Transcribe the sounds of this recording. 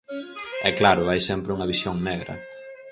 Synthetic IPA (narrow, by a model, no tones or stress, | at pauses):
ɛklaɾʊajsɛmpɾɪuŋɐβisjoŋnɛɣɾɐ̰